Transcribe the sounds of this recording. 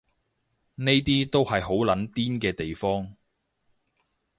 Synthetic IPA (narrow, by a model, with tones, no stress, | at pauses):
ne˥jt̪iː˥t̪o˥whɐ˨jɦo˨˥wlɐ˨˥nt̪iː˥nkɛː˧t̪e˨jfɔː˥ŋ